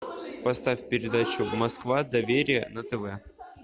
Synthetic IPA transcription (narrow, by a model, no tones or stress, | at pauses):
pɐst̪afʲpʲɪɾʲɪd̪at͡ɕʊmɐskvad̪ɐvʲeɾʲɪjənət̪ɛvɛ